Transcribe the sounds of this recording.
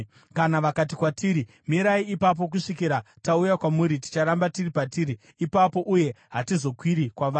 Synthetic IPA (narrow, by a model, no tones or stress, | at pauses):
kanaʋakat̬ikwatiɾi | miɾaiːpap̬o̞k̬uʂikiɾa | taujakwamuɾiti̥t͡ʃaɾambatiripatiːɾiː | papo̞ʔuje̞ɦatizo̞kwiɾikwaʋaː